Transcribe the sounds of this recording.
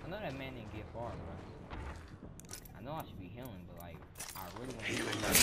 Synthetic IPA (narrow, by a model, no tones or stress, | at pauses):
aɪnoʊðɨt̚mæ̃nĩnɡɛtfɑɹɨɹa | aɪnoʊaɪʃɨd̚biɦilˠɪ̃ŋbʌt̚ˡlaɪk | ʔaɪɹɪlˠw̃hilˠɪ̃ŋ